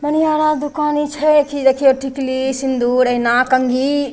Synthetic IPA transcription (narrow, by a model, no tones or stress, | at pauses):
mɐnijaɾad̪ukaːnit͡ʃʰɛkid͡ʒekʰijoʈʰiklisind̪uːɾɐɦnakɐŋɡi